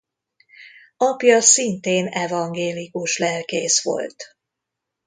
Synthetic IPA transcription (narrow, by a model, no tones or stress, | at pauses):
ɒpjɒsint̪eːnɛvɒŋɡeːlikuʃlɛlkeːsʋo̞̰lt̪